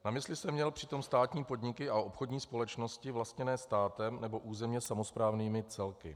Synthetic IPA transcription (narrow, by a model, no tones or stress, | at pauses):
namɪslɪsɛmːɲɛlpr̥ɪt̪o̞mst̪aːt̪ɲiːpo̞dɲɪkɪʔao̞pxo̞dɲiːspo̞lɛt͡ʃno̞scɪvlast̪ɲɛnɛːst̪aːt̪ɛmnɛbo̞ʔuːzɛmɲɛsamo̞spɾaːvniːmɪt͡sɛlkɪ̰